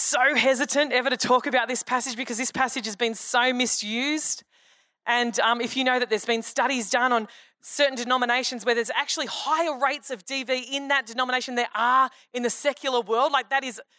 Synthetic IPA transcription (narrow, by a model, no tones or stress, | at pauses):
soʊɦɛzɨɾɨ̃ntɛvə˞ɾɨtʰɔkɨbaʊt̪̚ðɪspʰæsɨd͡ʒbɨkʰʌzðɪspʰæsɨd͡ʒɨzbɨ̃nsoʊmɪsjʉzd | ʔɨ̃nʌ̃mɨfjɨnoʊðɨt̪̚ðə˞zbɨ̃nstʌɾizdʌ̃nə̃n | sɜ˞ʔn̩dɨnɑməneɪʃɨ̃n̩zwə˞ðə˞zæk̚t͡ʃʉl̩ˠihaɪə˞ɹeɪtsʌvdiviɪ̃nðɨt̚d̥ɨnɑməñeɪʃɨ̃n̩ðə˞ʔə˞ | ɨ̃nðɨsɛkʰjl̩ˠə˞wɜ˞lˠd̥ˡlaɪk̚ðɨɾɨz